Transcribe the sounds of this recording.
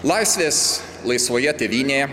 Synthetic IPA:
lˠɑɪsʲʋʲeːs | lˠɐɪsʋoːjɛt̪ʲɛʋʲiːnʲeː

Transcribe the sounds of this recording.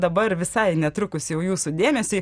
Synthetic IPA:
d̪ɐbɐɾʋʲɪsɐɪnʲɛt̪ɾʊkʊsʲjɛʊjuːsʊd̪ʲeːmʲɛsʲʊɪ

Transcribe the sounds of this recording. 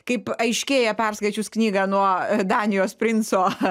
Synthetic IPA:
kɐɪpɐɪʃʲkʲeːjɛpʲɛrskɐɪt͡ʃʲʊsknʲiːɡɑnuɔd̪ɑːnʲɪjoːspʲɾʲɪnsoː

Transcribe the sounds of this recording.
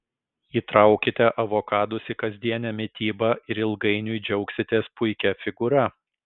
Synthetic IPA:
iːt̪ɾɐˑʊkʲɪt̪ʲɛʔɐʋoːkɑːd̪ʊsɪkɐzʲd̪ʲiɛnʲɛmʲɪt̪ʲiːbɐɪɾɪlˠɡɐɪnʲʊjd͡ʒʲɛʊksʲɪt̪ʲɛspʊɪkʲɛfʲɪɡʊɾɐ

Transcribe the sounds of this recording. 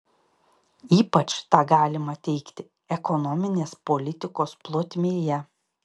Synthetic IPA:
iːpɐt͡ʃt̪ɑːɡɑːlʲɪmɐt̪ʲɛɪkt̪ʲɪ | ɛkɔnɔmʲɪnʲeːspɔlʲɪt̪ʲɪkoːsplˠoːt̪ʲmʲeːjɛ

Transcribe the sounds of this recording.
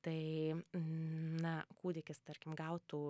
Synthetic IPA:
t̪ɐɪ | nɐkuːd̪ʲɪkʲɪst̪ɐɾʲkʲɪmɡɐʊt̪uː

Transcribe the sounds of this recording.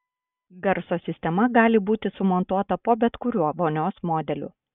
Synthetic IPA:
ɡɐɾsoːsʲɪsʲt̪ʲɛmɐɡɑːlʲɪbuːt̪ʲɪsʊmɔnt̪uɔt̪ɐpoːbʲɛt̪kʊɾʲuɔʋonʲoːsmoːd̪ʲɛlʲʊ̰ː

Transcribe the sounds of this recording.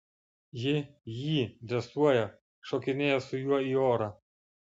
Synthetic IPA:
jɪjiːd̪ʲɛsuɔjɛ | ʃɔːkʲɪnʲeːjɛsʊjuɔiːoːɾɑ

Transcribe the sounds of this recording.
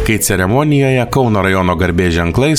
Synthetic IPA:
kɐɪt̪sʲɛɾʲɛmɔnʲɪjoːjɛkɒʊnɐɾɐjɔnoːɡɐɾʲbʲeːʒʲɛŋklˠɐɪs

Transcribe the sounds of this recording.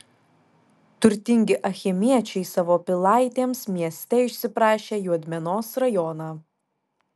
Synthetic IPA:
t̪ʊɾʲt̪ʲɪŋʲɡʲɪʔɐxʲɪmʲiɛt͡ʃʲɛɪsɑʋoːpʲɪlˠɑˑɪt̪ʲeːmsmʲiɛsʲt̪ʲɛɪʃʲsʲɪpɾɑːʃʲeːjuɔd̪ʲmʲɛnoːsɾɐjɔnɑː

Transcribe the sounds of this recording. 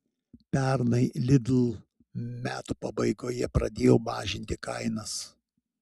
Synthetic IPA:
pʲɛɾnɐɪlʲɪd̪lˠ | mʲæːt̪uːpɐbɐɪɡoːjɛpɾɐd̪ʲeːjoːmɑːʒʲɪnʲt̪ʲɪkɐɪnɐs

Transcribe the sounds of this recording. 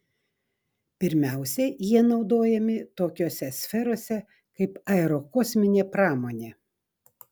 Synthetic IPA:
pʲɪɾʲmʲæˑʊsʲɛjiɛnɒʊd̪oːjɛmʲɪt̪oːkʲoːsʲɛsʲfʲɛɾoːsʲɛ | kɐɪpɐɛɾokoːsʲmʲɪnʲeːpɾɑːmoːnʲeː

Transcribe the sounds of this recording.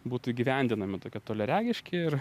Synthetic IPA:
buːt̪ʊiːɡʲiʋʲɛnʲd̪ʲɪnɐmʲɪt̪oːkʲiɛt̪oːlʲɛɾʲæːɡʲɪʃʲkʲɪɪr

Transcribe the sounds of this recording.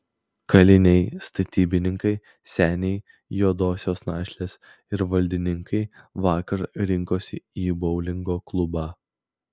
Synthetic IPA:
kɐlʲɪnʲɛɪst̪ɐt̪ʲiːbʲɪnʲɪŋkɐɪ | sʲæːnʲɛɪ | joːd̪oːsʲoːsnɑːʃʲlʲeːs | ɪɾʋɐlʲd̪ʲɪnʲɪŋkʰɐɪʋɑːkɐɾɾʲɪŋkoːsʲɪiːbɐʊlʲɪŋɡoːklˠʊbɑː

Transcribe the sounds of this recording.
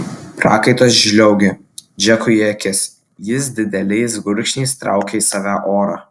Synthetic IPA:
pɾɑ̰ːkɐɪt̪oːsʒʲlʲɛʊɡʲe | d͡ʒʲɛkʊɛkʲɪs | jɪs̬d̪ʲɪd̪ʲɛlʲɛɪsɡʊɾʲkʃʲnʲɛːst̪ɾɑ̰ˑʊkʲɛiːsɑːʋʲæːʔoːɾɑː

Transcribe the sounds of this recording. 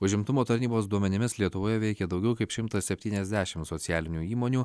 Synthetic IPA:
ʊʒʲɪmt̪ʊmoːt̪ɐɾʲnʲiːboːs̬d̪uɔmʲɛnʲɪmʲɪslʲiɛt̪ʊʋoːjɛʋʲɛɪkʲɛd̪ɐʊɡʲɛʊkɐɪpʃʲɪmt̪ɐssʲɛpʲt̪ʲiːnʲɛzʲd̪ʲæːʃʲɪmsoːt̪sʲɪæːlʲɪnʲuːiːmoːnʲuː

